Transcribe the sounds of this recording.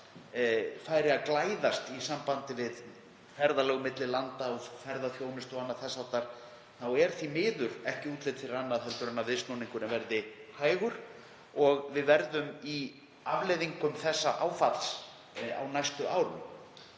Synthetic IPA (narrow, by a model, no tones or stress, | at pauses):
faːjɾɪaðklaːjðast̪isampant̪ɪvɪð | fɛɾðalɛːɣʏmɪt̪lɪlant̪aɔfɛɾðaθjoːwnɪst̪ɔɣanːaθɛsːat̪aɾ̥ | θawɛɾ̥θimɪːðʏɾ̥ɛhcɪuːt̪lɪt̪fɪɾɾanːaðθɛlt̪ʏɾanːavðɪst̪nowniŋkʏɾɛmvɛɾðɪhaːjɣʏɾ̥ | ɔɣvɪðvɛɾðʏmi | avlejðiŋkʏmθɛsːaʔaːwfat̪l̥s | a̰wnajst̪ʏʔaːwɾʏm